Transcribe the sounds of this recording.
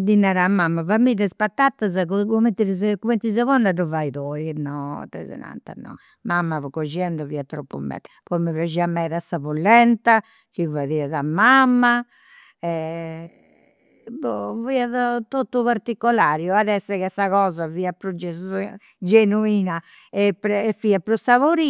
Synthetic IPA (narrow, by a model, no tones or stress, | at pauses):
d̪inaɾamːamːavamːiɾɛspat̪ːat̪ːazakukument̪iɾzkument̪izavɔnːaɾɔvaiðɔinɔt̪ɛ̰zɛ̰na̰nt̪a̰nɔ̰ | mamːaβɔkɔʒiɛnd̪ɔviat̪ɾopːṵmɛ̰tː | pɔimiβjad͡ʒiamɛɾasavulːɛnt̪a | kivaðiaðamamːa | ɛ | bɔviaðat̪ot̪ːuβaɾt̪ikːɔlaːɾjɔaðɛsːɛɣɛsaɣɔːzaviːapɾɔd͡ʒɛs | d͡ʒenuiːna | ɛpːɾɛfiapɾɔsavoɾi